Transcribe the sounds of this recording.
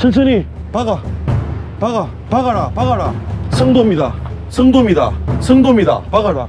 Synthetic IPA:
sʰɯns̬ʰɯni | paɡa | paɡa | paɣaɾapaɣaɾasʰɯŋd̪omɲida̰ | sʰɯŋd̪omɲida̰sʰɯŋd̪omɲida̰paɡaɾa̰

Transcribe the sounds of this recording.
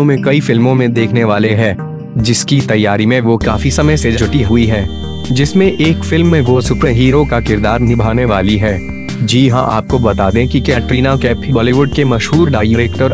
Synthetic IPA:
õmẽkɐifɪlmõmẽd̪eːkʰneʋaːleɦɛː | d͡ʒɪskit̪ɐjːaːɾimẽʋokaːfisɐməjsed͡ʒɐd͡ʒʱʊʈiɦʊiɦɛː | d͡ʒɪsmẽʔeːkfɪlmːẽʋosʊpɾeɦiːɾokakɪɾd̪aːɾnɪbʱaːneʋaːliɦɛː | d͡ʒiːɦã̰ʔa̰ːp̚kobɐt̪aːd̪ẽkikɛːʈɾiːnakɛːpʰibɔːliʋʊɖ̚kemɐʃɦuːɾɖaːijɪɾeːkʈəɾ

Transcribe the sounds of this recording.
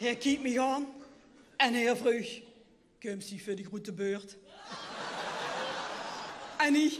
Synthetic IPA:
hɛkʰip̚miɣɑːn | ɛnhɛːvʁøːç | køːmsifødiʁutəbøːʁt | ɛni

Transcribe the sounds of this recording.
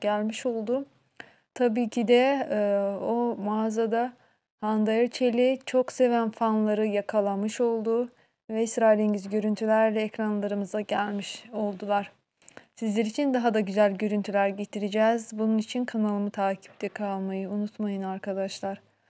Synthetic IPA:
ɟ̥ælʲmiʃo̞lˠd̪ʊ | t̪ʰabiːcʰid̪ɛ | omaːzad̪a | hand̪ajɯɾt͡ʃʰe̞lʲit͡ʃʰo̞kse̞vænfanlˠaɾɯjakʰalˠamɯʃo̞lˠd̪ʊ | vɛisɾajlʲiɲɟizɟø̞ɾynt̪ʰylʲæɾlʲɛɛcɾanlˠaɾɯmɯzd̪aɟælʲmiʃo̞lˠd̪ulˠaɾ̥ | sizlʲeɾit͡ʃʰind̪aɦad̪aɟyzælʲɟø̞ɾynt̪ʰylʲæɾɟet̪ʰiɾid͡ʒɛzbununit͡ʃʰinkʰanalˠɯmɯt̪ʰaːcʰi̥p̚t̪ʰɛkʰalˠmajɯunut̪majɯnaɾkʰad̪aʃlˠaɾ̥

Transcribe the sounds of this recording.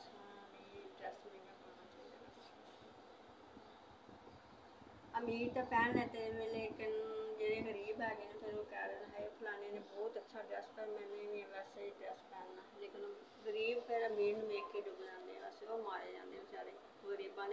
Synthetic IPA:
ət͡ʃʰaː | iːɖɾɛːsĩːãːkəɾnaːt͡ʃaːiːd̪a̰ːnaː | əmiːt̪aːpɛːneːt̪eːʋẽːleːkɪnd͡ʒeːɽeːɣəɾiːbɦɛːɡeːnẽːt̪eɾoːkɛːɾɦɛːpʰəlaːneːneːbɔːt̪ətːʃʰaːʈɾɛːspɛːɾmɛ̃ːneniɛ̃ːʋɛːseːiːʈɾɛspɛːnːaːleːkɪn | ɣəɾiːbpɛːlaːmiːɳmeːkːeːɖʊbd͡ʒãːnd̪ḛːɛʋɛːseoːmaːjeːd͡ʒã̰ːnd̪eːõːt͡ʃaːɾeː | ɣəɾiːbãːd̪e

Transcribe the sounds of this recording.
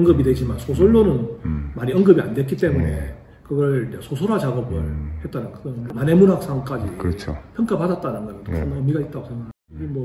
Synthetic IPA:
ʌŋɡɯbidwed͡ʑimansʰosʰoɭːonɯnmaɲiʌŋɡɯbia̰ndwetk͈it͈e̞mune̞̰ | kɯɡʌɾiɲd͡ʑesʰosʰoɾat͡ɕaɡʌbɯɭhet̚t͈anɯnkɯɡʌnomanemunɦak̚s͈ʰaŋk͈ad͡ʑikɾʌt͡ɕʰo̰pʰjʌŋk͈apadat̚t͈anɯnɡʌɾʌtesʰɯmʌmiɡait̚t͈aɡosʰeŋɡaa | ɡimwʌ

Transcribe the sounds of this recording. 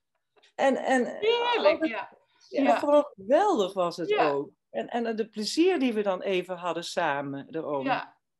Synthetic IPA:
ʔɛnɛ̰noə | χəʋoːnχəʋɛlˠdəχʋɑsɦətoːk̚ | ɛnɛndəpləziːɹdiʋədɑnʔeːvənɦɑdəsaːmədərom

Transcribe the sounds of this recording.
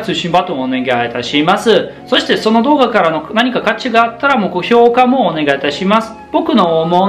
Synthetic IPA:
t͡sɨːɕĩmbat̪omoone̞ɡait̪aɕimasɨ | so̞ɕi̥t̪e̞so̞no̞d̪o̞ːɡakaɾano̞naɲ̟ikakat͡ɕiɡaːt̪ːaɾamo̞koço̞ːkamo̞ːne̞ɡait̪aɕimasɨ̥b̥o̞kɯ̟no̞mo

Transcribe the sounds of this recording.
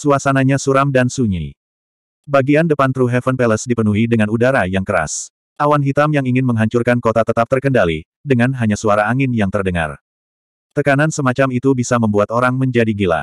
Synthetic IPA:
suasanaɲasuɾamdansuɲḭ | baɡiandəpant̪ɾuɦɛfənpɛləsdipənuɦidəŋanudaɾajaŋkəɾa̰s | ʔawanɦit̪amjaŋiŋɪnməŋɦaɲt͡ʃurkankot̪at̪ət̪ap̚t̪ərkəndali | dəŋanɦaɲasuaɾaːŋɪnjaŋt̪ərdəŋa̰r | t̪əkanansəmat͡ʃamit̪ubisaməmbuat̪oɾaŋməɲd͡ʒadiɡila̰

